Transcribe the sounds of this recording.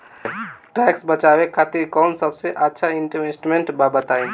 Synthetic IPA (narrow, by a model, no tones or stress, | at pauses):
ʈɛːksbət͡ʃawekʰaːt̪iɾkɔnsəbseʔətːʃʰaiɳʈmesʈmẽɳʈbabət̪aĩ